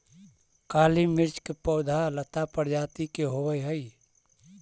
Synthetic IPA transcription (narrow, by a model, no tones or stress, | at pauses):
kaːlimɪɾt͡ʃkepɔʊd̪ʱalət̪apəɾd͡ʒaːt̪ikeɦowəjɦəi